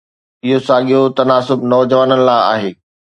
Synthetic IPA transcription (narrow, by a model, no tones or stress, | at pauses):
ɪɦosaːɠijot̪ɐnaːsʊbnɔːd͡ʑəʋaːnənɪ̆laːɪa̰ːɦeː